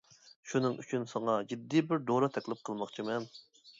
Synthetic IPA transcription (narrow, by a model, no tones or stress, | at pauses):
ʃunɨŋʔy̰t͡ʃʰynsɑŋɑd͡ʒid̪ːibɪɾd̪oɾɑt̪ʰɛkʲlɪp̚qʰəlˠmɑχt͡ʃʰimɛn